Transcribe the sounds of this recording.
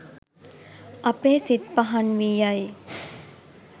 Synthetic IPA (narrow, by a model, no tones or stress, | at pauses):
ɐpeːsit̪paɦɐnʋijaj